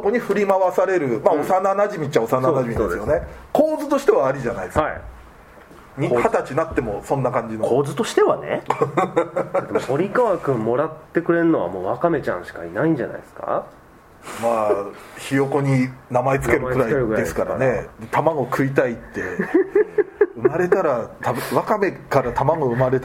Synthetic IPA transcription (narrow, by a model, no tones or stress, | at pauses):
soko̞ɲ̟iɸɯ̟ɾʲimaβasaɾe̞ɾɯ̟maosananaʑimʲit͡ɕaosanaonaʑimid̪esɨjonekʰoːzɨt̪o̞ɕi̥t̪e̞βaːɾʲiʑanaid̪haḭ | ɲihat̪at͡ɕinat̪ːe̞mo̞sõnːakãɲ̟d͡ʑinokoːzɨt̪o̞ɕi̥t̪e̞βanḛ | ad̪emoo̞ɾʲikaβakɯ̟̃mːo̞ɾat̪ːe̞kɯ̟ɾe̞ɯ̟no̞βa̰mo̞ːβakame̞t͡ɕã̰ɰ̃ɕi̥kainaĩɲ̟d͡ʑa̰na̰isɨ̥ka̰ | maːçijo̞ko̞ɲ̟inamaet͡sɨkkeɯmaeɯɾaieɾɯɡɯɾad̪eisɨ̥kaɾa̰ne̞d̪et̪ʰamaɡo̞kʰɯ̟it̪ait̪ːe | ɯ̟maɾe̞t̪aɾat̪ʰaβakame̞kaɾat̪ʰamaɡoɯ̟maɾet̪